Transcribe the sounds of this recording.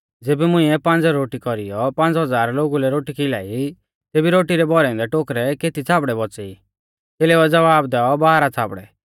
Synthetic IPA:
d͡zeːbɛmʊ̃ĩɛpãnd͡zɛɾoːʈikɔɾḭjɔpãnd͡zɦɔd͡zaːɾloːɡulɛɾoːʈikɪla̰ːi | t̪eːbiɾoːʈiɾɛbɔɾɛɔ̃nd̪ɛʈokɾɛkeːt̪it͡sʰaːbɽɛbɔt͡sɛi | t̪eːlɛuɛd͡zɐʋaːbd̪ɛːɔbaɦaɾat͡sʰaːbɽɛ̰

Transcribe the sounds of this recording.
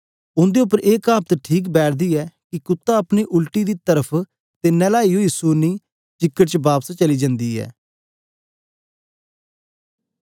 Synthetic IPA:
ʊnd̪eːʊp̬ːəɾʔeːkaːp̚t̪ʈʰiːk̬bɛːʈʰd̪iːɛːkɪkʊt̪ːaəpniːʔʊlʈiːd̪iːt̪əɾəpʰ | t̪eːnɛːlaːijoiːsuniː | t͡ʃɪkːəʈt͡ʃbaːpst͡ʃəliːd͡ʒə̃nd̪iːɛ̰ː

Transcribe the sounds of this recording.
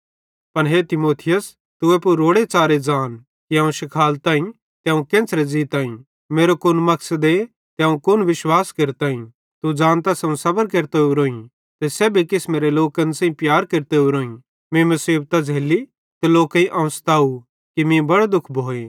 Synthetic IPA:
pɐnɦet̪ɪmoːt̪ʰɪjəs | t̪ʊepuɾoːɽet͡saːɾed͡ʒaːn | kiɐ̃ũʃɪkʰaːlt̪ãːĩ | t̪jɐ̃ũkẽːt͡sʰɾed͡ziːt̪ãːĩ | tmeːɾokʊnmɐksəd̪e | t̪ɐ̃ːũkʊnʋɪʃwaːskeɾt̪ãːĩ | t̪ud͡ʒãːnt̪asɐũsɐbəɾkeɾt̪euɾoːĩ | t̪esɛːbʱikɪsmeːɾeloːkɐnsãːĩpjaːɾkeɾt̪euɾoːĩ | mẽmɐsiːbt̪ad͡zʱeːli | t̪eloːkãĩʔɐ̃ʋst̪ʰaːu | kimĩbɐɽd̪ʊkʰbʱoːeː

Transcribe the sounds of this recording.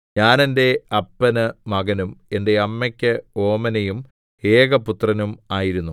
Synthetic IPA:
ɲaːnende̞ɐpːɐnɨmɐɡɐnume̞nde̞ɐmːɐkʲːɐo̞ːmɐnejum | e̞ːɡɐput̪rɐnumaːjiɾunːu

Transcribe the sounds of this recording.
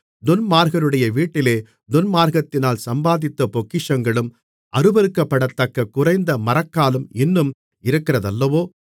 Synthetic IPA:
d̪ʊnmaːɾɣɐɾɯɽɐjɐʋiːʈːɪleː | d̪ʊnmaːɾɣɐt̪ːɪnaːlsɐmbaːðɪt̪ːɐpɔkːɪʂɐŋɡɐɭɯm | ʔɐɾɯbɐɾɯkːɐpːɐɽɐt̪ːɐkːɐkːʊrɐɪnd̪ɐmɐrɐkːaːlɯmɪnːɯm | ɪɾɯkːɪrɐðɐlːɐʋoː

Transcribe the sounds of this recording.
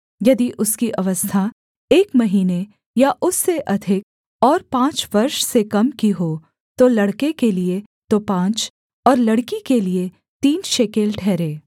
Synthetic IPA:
jɐd̪iʔʊskiʔɐʋəst̪ʰa | eːkmɐɦiːne | jaʔʊsːeʔɐd̪ʱɪk̚ | ɔːɾpãːt͡ʃʋɐɾʃsekɐmkiɦoː | t̪olɐɽkekelie | t̪opãːt͡ʃ | ɔːɾlɐɽkikelie | t̪iːnʃeːkeːlʈʰɛːɾeː

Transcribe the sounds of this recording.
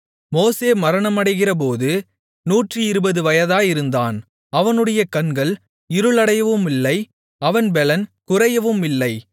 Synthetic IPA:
moːseːmɐɾɐɳɐmɐɽɐɪɣɪrɐp̬oːðɯ | nuːʈrɯɪɾɯbɐðɯʋɐjɐðaːjɪɾɯnd̪aːn | ɐʋɐnɯɽɐjɐkɐɳɡɐɭ | ɪɾɯɭɐɽɐjɐʋɯmɪlːɐɪ | ɐʋɐnbɛlɐnkʊrɐjɐʋɯmɪlːɐɪ

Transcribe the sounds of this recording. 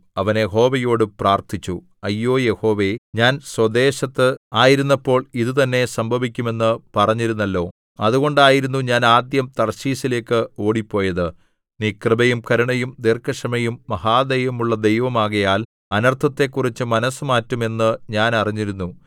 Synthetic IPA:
ɐʋɐnjeɦo̞ːʋɐjo̞ːɽɨpraːrt̪ʰit͡ɕːu | ɐjːo̞ːje̞ho̞ːʋe̞ɲaːnswɐd̪e̞ːɕɐt̪ːɨaːjiɾunːɐpːo̞ːɭiðɨt̪ɐnːe̞sɐmbʱɐʋikʲːume̞nːɨpɐrɐɲːiɾunːɐlːo̞ː | ɐðuɣo̞ɳɖaːjiɾunːuɲaːnaːd̪jɐmt̪ɐrɕiːsile̞ːkːɨo̞ːɽipːo̞ːjɐðɨ | niːkrɨbɐjumkɐɾuɳɐjumd̪erkʰːɐʂɐmɐjumːɐhaːd̪ɐjɐmuɭːɐd̪ejʋɐmaːɣɐjaːl | ɐnɐrt̪ʰɐt̪ːe̞kːurit͡ɕːɨmɐnɐsɨmaːtːume̞nːɨɲaːnɐriɲːiɾunːu

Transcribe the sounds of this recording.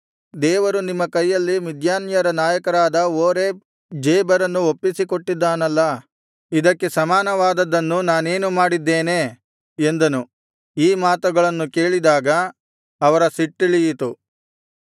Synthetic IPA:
d̪ɛːʋɐɾunimːɐkɐjːɐlːimid̪ʱjaːnjɐɾɐnaːjɐkɐɾaːd̪ɐoːɾe | d͡ʒeːbɐɾɐnːuopːisiko̞ʈːid̪ːaːnɐlːɐ | id̪ɐkːe̞sɐmaːnɐʋaːd̪ɐd̪ɐnːunaːne̞ːnumaːɽid̪ːeːne̞ː | end̪ɐnu | iːmaːt̪uɡɐɭɐnːuke̞ːɭid̪aːɡɐ | ɐʋɐɾɐsiʈːiɭijit̪u

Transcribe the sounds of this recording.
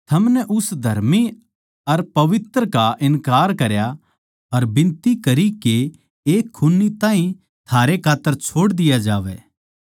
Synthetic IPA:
t̪ʰɐmnɛʔʊsd̪ʱɐɾmi | ɐɾpɐʋɪt̪ɾəkaʔɪnkaːɾkɐɾja | ɐɾbɪ̃nt̪ikɐɾike | eːkʰːʊnːit̪ãːɦĩ | t̪ʰaːɾekʰaːt̪ːəɾt͡ʃʰoːɽd̪ɪjad͡ʒaːʋɛ̰ː

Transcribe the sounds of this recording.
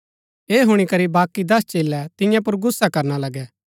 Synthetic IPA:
eːɦʊɽ̃ikɐɾibaːkːid̪ɐst͡ʃeːlːɛt̪ɪ̃jãp̬ʊɾɡʊsːakɐɾnalɐɡɛ

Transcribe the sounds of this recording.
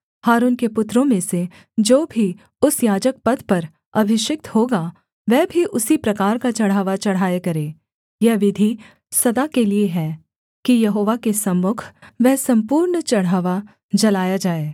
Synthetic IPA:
haːɾuːnkepʊt̪ːɾõmẽse | d͡ʒoːbʱi | ʊsjaːd͡ʒək̚pɐd̪pɐɾ | ɐbʱɪʃɪk̚t̪hoːɡa | ʋɛbʱiʔʊsipɾɐkaːɾkat͡ʃɐɽ̤ɦaːʋat͡ʃɐɽ̤aːekɐɾẽː | jɐɦʋɪd̪ʱi | sɐd̪akelieɦɛː | kijɐɦoːʋakesɐmːʊkʰʋɛɦsɐ̃mpuːɾɳt͡ʃɐɽ̤ɦaːʋa | d͡ʒɐlaːjad͡ʒaːeː

